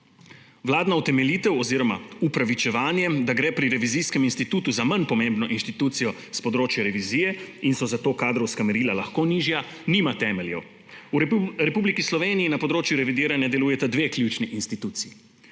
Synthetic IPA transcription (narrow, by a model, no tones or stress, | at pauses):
ʋlaːd̪naut̪ɛmɛliːt̪ɛwɔziːɾɔmaupɾaʋit͡ʃɛʋaːnjɛd̪aɡɾɛːpɾiɾɛʋiziskɛminst̪it̪uːt̪uzamanpɔmẽmbnɔʔinʃt̪it̪uːt̪sijɔ | spɔd̪ɾoːt͡ʃjaɾɛʋiziːjɛinsɔzat̪oːkaːd̪ɾɔwskamɛɾiːlalaxkoːniːʒja | nimat̪ɛːmɛljɛw | uɾɛpublikislɔʋeːnijinapɔd̪ɾoːt͡ʃjuɾɛʋid̪iːɾanjad̪ɛluːjɛt̪ad̪ʋeːklʲjut͡ʃniʔinst̪it̪uːt̪sii